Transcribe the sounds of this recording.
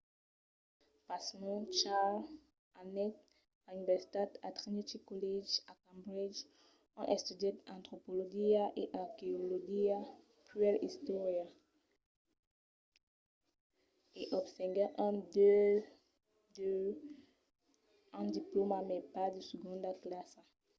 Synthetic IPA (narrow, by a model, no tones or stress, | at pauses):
pasnɔ̃t͡ʃal | anɛt̪ | anivɛsi̥t̪at̪at̪ʁinit̪ikɔlid͡ʒakãmbʁid͡ʒ | ɔ̰̃ʔɛst̪yd̪ɛt̪ɑ̃t̪χopolɔɡiaʔeʔakeoloɡia | pyɛlḭst̪ɔʁja | eʔɔbsɛ̃ɡɛʔɛ̃d̪ø | d̪ø | ãd̪iplomamɛpad̪əsəɡɔ̃d̪aklasa